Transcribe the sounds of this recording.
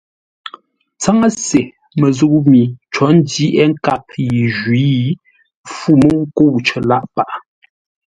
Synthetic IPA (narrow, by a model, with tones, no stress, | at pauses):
t͡sa˦ŋa˦se˨ | mə˨zu˦kmi˨t͡ʃɔ˨˦n̩˦di˦ʔɛ˦ŋ̩˦ka˦˨p̚ji˨ʒwi˨˦ | fu˦˨mo˦ŋ˦ko˦˨wt͡ʃə˨la˦ʔpa˦˨ʔ